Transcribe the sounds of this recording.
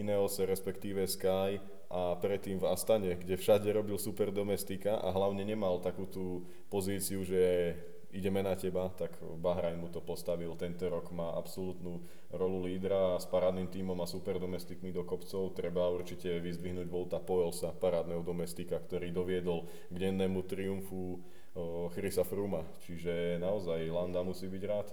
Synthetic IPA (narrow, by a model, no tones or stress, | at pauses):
inɛɔsɛɾɛspɛkt̪iːʋɛskaj | ʔapɾɛt̪ːiːmvast̪aɲɛɡɟɛfʃaɟɛɾɔbilsupɛɾd̪ɔmɛst̪ikaʔa̰ɦlaʊɲɛɲɛmalt̪akuːt̪uː | pɔziːt͡siuʒɛ | iɟɛmɛnacɛbat̪aɡ | baɦɾajnmut̪ɔpɔst̪aʋilt̪ɛnt̪ɔɾɔkmaːʔapsɔlut̪nu | ɾɔluliːd̪ɾaspaɾaːd̪nimt̪iːmɔmasupɛɾd̪ɔmɛst̪ikmid̪ɔkɔpt͡sɔʊt̪ɾɛbauɾt͡ʃicɛʋizd̪ʋiɦnuːɟʋɔlt̪apɔjɛlsapaɾaːd̪nɛːɦɔd̪ɔmɛst̪ikakt̪ɔɾiːd̪ɔʋɪɛd̪ɔl | ɡɟɛnːɛːmut̪ɾiuɱfu | xɾisafɾuma | t͡ʃiʒɛnaɔzajland̪amusiːbiɟɾaːt̪